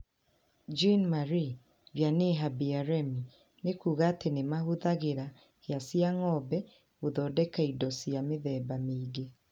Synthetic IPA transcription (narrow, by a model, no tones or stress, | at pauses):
d͡ʒinmaɾi | vjaneɦabiaɾɛmi | nekuːɣaːtenemahoðaɣeɾa | heasijaŋɔbɛ | ɣoðɔdɛkaidɔsijameðɛːbamiːɡe